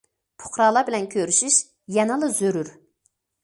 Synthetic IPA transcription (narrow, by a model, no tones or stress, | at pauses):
pʰʊ̥χɾɑlˠɑbɪlɛnkʲʰøɾyʃiʃ | jɛnɨlˠɨzøɾyɾ